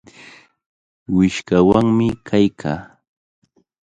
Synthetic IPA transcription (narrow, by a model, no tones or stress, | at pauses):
wɪʃkawaŋmɪkʰajkʰa̰ː